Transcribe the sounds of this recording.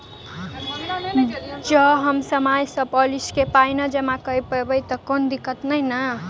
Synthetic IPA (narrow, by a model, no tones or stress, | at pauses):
d͡ʒʌɦʌmsəmajsʌboliskepajnʌd͡ʒʌmakəipəɾbəjt̪ʌkond̪ikːət̪nəjnʌ